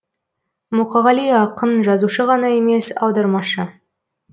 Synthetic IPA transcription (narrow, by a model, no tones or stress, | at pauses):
muqɑʁɑliɑqənʒɑzuʃəʁɑnɑeme̞sɑ̰wd̪ɑɾmɑʃə